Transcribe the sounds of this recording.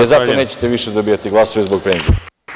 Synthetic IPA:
ezat̪one̞ːt͡ɕe̥t̪eʋiʃed̪obijat̪iɡlˠasoʋizbo̞k̚penzie

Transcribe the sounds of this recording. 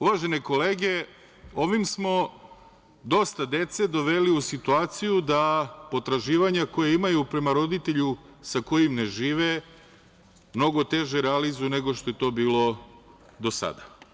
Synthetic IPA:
uʋaʒe̞neko̞le̞ːɡe̞ | o̞ʋimsmo̞ | d̪o̞st̪ad̪e̞t̪se̞d̪o̞ʋe̞liusit̪uaːt̪sijud̪apo̞t̪ɾaʒiːʋaɲako̞jeimajupɾe̞maɾo̞d̪it̪eʎu | sako̞jimne̞ʒiːʋe | mno̞ɡo̞t̪e̞ʒeɾealizune̞ɡo̞ʃt̪o̞jet̪o̞ːbiːlo̞ | d̪o̞sa̰d̪a

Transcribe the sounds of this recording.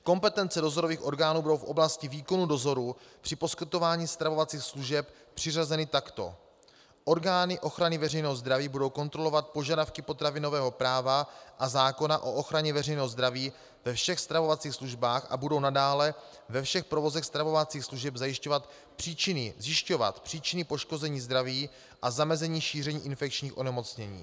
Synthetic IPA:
ko̞mpɛt̪ɛnt͡sɛdo̞zoɾo̞viːxʔo̞ɾɡaːnuːbudo̞wfʔo̞̰blascɪviːko̞nudo̞zo̞ɾupr̥ɪpo̞skɪt̪ovaːɲiːst̪ɾavo̞vat͡siːxsluʒɛp | pr̝̥ɪrazɛnɪt̪akt̪o̞̰ | ʔo̞ɾɡaːnɪʔo̞xɾanɪvɛrɛjnɛːɦozd̪ɾaviːbudo̞wko̞nt̪ɾo̞lo̞vat̪̚po̞ʒadafkɪpo̞t̪ɾavɪno̞vɛːɦo̞pɾaːvaʔazaːko̞naʔo̞ʔo̞xɾaɲɛvɛrɛjnɛːɦozd̪ɾaviː | vɛfʃɛxst̪ɾavo̞vat͡siːxsluʒbaːxʔa̰budo̞wnadaːlɛ | vɛfʃɛxpɾovo̞zɛxst̪ɾavo̞vat͡siːxsluʒɛbzajɪʃcovat̪ | pr̥iːt͡ʃɪnɪzjɪʃco̞va̰t̪pr̝̥iːt͡ʃɪnɪpo̞ʃko̞zɛɲiːzd̪ɾaviː | ʔazamɛzɛɲiːʃiːr̝ɛɲiːʔɪnfɛk̚t͡ʃɲiːxʔo̞nɛmo̞t͡sɲɛɲḭː

